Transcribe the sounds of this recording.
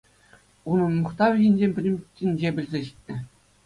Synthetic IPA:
unɤ̆nmɤ̆χt̪ɑʋʲɘ̆ʑĭnʲd͡ʑemʲpʲɘ̆lʲɘ̆mʲt͡ɕʲːinʲd͡ʑebʲɘ̆lʲzʲeɕi̥tʲnʲɘ̆

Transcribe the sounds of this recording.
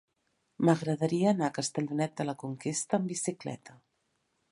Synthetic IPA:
məɣɾəðəɾiəːnakəst̪əʎunɛt̪̚d̪ələkuŋkest̪əːmbisiklɛ̰t̪ə

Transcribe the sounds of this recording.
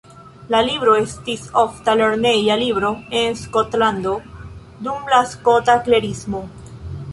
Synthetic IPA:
lalibɾo̞estisoftaleɾnejalibɾo̞e̞nskot̪land̪o̞ | d̪umlasko̞takle̞ɾismo̞

